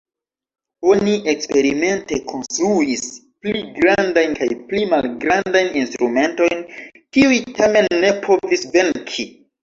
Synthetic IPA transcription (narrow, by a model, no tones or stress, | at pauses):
o̞niʔe̞kspe̞ɾime̞nte̞kʰo̞nstɾuispliɡɾandajnkajplimalɡɾandajninstɾume̞nto̞jn | kiujtʰame̞nːe̞pʰo̞visve̞ŋkʰi